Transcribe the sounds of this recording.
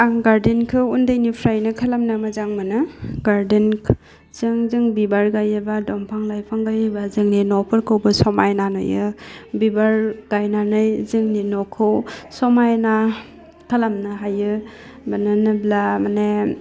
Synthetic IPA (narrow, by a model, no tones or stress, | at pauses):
aŋɡaɾdenkʰɯundajnipʰɾajnɯkʰalamnɯmazaŋmɯnɯɡaɾdenʰ | z̥ɯŋzɯŋbibaɾɡajebadɔmpʰaŋlajpʰaŋɡajebazɯŋninɔpʰɯɾkʰɯwbɯsɔmajnanɯ̰jɯbibaɾɡ̥ajnanɯjzɯŋninɔkʰɯwsɔmajna | kʰalamnɯɦajɯ | manɯnɯblamane